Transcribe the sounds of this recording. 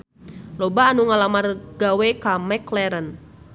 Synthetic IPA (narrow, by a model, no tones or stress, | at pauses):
lɔbaːnuŋalamarɡawɛkamɛklɛɾən